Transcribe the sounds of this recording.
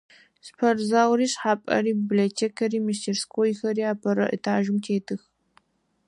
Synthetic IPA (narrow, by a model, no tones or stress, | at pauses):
spʰɐrzaːwɾiːɕħaːpʼɐ̰ɾiːbiblotʰeːkʰɐɾiːmistʰerskʰoːjxɐɾiːaːpʰɐɾɐ̰ʔɨ̰tʰaːʒɪmtʰeːtʰɨx